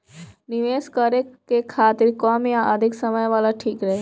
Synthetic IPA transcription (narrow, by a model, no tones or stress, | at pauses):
nɪʋeːskəɾekekʰaːt̪ɪɾkɔːmijãʔəd̪ʱɪksəməjʋaːlaʈʰiːkɾəɦe